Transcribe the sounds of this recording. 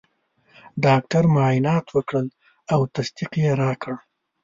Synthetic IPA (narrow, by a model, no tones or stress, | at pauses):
ɖɑk̚ʈaɾmɑjɪnɑt̪wəkɽəl | awt̪asd̪iqjeɾɑkʰəɽ